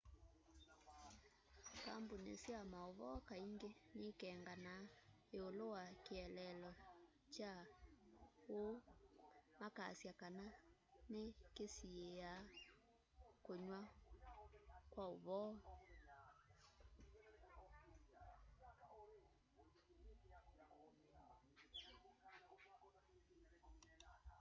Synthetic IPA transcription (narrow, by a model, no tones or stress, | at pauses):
ka̰mbonḛsjamaoβɔkaiŋɡenekɛŋɡana | eolowakeɛlɛlɔ | t͡ʃa | o | maka̰sjakananekesiea | koɲwa | kwaoβɔ